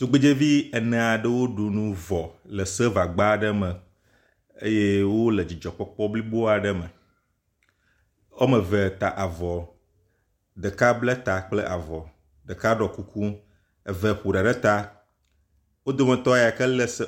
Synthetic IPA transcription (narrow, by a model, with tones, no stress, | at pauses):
t̪u˨ɡ͡be˦d͡ʒe˦vi˦ə˨nɛ̃˨a˨ɖə˦wo˦ɖu˨nũ˦vɔ˨lə˨sə˦va˨ɡ͡ba˦ɖə˦mə̃˨ | ḛ˦je˦wo˦lə˨d͡ʑi˨d͡ʒɔ˨k͡pɔ˦k͡pɔ˦bli˦bo˦a˨ɖə˦mə˨ | wo˦mə̃˨vɛ˨t̪a˨ʔa˨vɔ˨ | ɖ̪ə˨ka˦blɛ˦t̪a˨k͡ple˦ʔa˨vɔ˨ | ɖ̪ə˨ka˦ɖɔ˨ku˦ku˦ | ə˨vɛ˨ɸu˨ɖa˨ɖɛ˦t̪a˦ | wo˦d̪o˦mə̃˨t̪ɔ˦ja˨kə˦lə˦sə˦